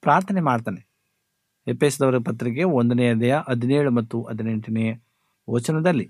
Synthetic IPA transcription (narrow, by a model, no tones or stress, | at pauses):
pɾaːɾt̪ʰɐnemaːɽt̪aːne | epːeːsd̪ɐʋɐɾiɡɐpɐt̪ːɾik̬ːe̞ond̪ɐneːɐd̪ɐjɐʔɐd̪ʱineːɭumɐt̪ːuʔɐd̪ineɳʈɐneːjɐ | oːt͡ʃɐnɐd̪ɐlːi